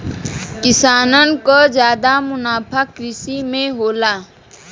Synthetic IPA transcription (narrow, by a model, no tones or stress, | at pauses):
kɪsaːnənkod͡ʒjaːd̪amʊnaːpʰakːɾɪsimẽɦoːlaː